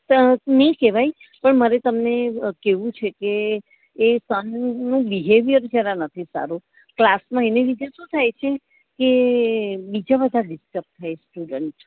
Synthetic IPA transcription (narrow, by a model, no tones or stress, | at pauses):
nəĩkeʋaj | pəɳməɾet̪əmnekeʋũt͡ʃʰekeː | sənnũbiɦeʋijəɾd͡ʒəɾanət̪ʰisa̰ɾũ | klasmãeneʋid͡ʒ̪eʃũt̪ʰajt͡ʃʰe | ke | bid͡ʒabəd̪ʱaɖɪsʈəp̚t̪ʰːajsʈuɖəɳʈ